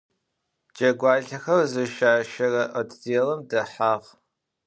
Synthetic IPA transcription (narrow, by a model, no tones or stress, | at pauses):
d͡ʒɐɡʷɑːɮɐxɐrzɨʃaːʃɐrɐʔɐtʰzeːlɐmdɐħaːʁ